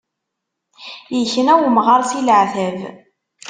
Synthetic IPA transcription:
jəçənæwmʁɑɾˤsiləʕθæv

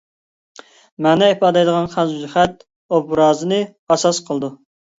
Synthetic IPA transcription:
mɛnɛepɑːd̪ɛjd̪əʁɑnχæzzyχɛt̪̚ | obɾɑːzɨnɨ | ɑsɑsqʰəlˠd̪u

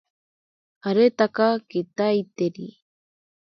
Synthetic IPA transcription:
aɾet̪akakit̪ajt̪eɾi

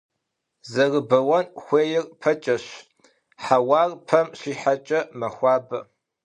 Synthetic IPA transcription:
zɐrɨbɐwɐnxʷeːjɪrpʰɐt͡ʃʼɐɕ | ħawaːrpʰɐmʃiːħat͡ʃʼɐmɐxʷɑːbɐ̰

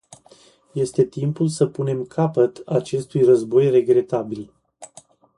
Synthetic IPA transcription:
je̞st̪e̞t̪impulsəpune̞mkʰapət̪at͡ʃe̞st̪ujrəzbo̞jre̞ɡɾe̞t̪abil

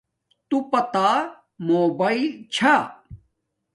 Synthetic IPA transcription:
t̪upɐt̪aː | moːbaːilt͡ɕʰa

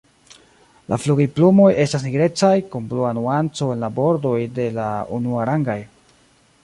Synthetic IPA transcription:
lʔa̰fluɡiplumo̞je̞stasniɡɾe̞t͡sajkompluanuant͡so̞e̞nlabo̞ɾdo̞jde̞laṵnuaɾaŋɡaj

